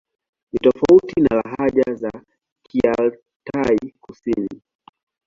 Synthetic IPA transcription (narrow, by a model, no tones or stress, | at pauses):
nitɔfautinalaɦaʄaza | kʰial | taikusini